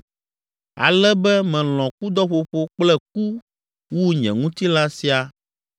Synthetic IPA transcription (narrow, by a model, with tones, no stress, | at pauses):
a̰˨lɛ˦bɛ˦mɛ̃˨l̃ɔ̃˨ku˦d̪ɔ˦ɸo˨ɸo˦k͡plɛ˦k̚u˦ | wu˦ɲɛ̰̃˨ŋũ˦t̪i˦la˦si˦a˨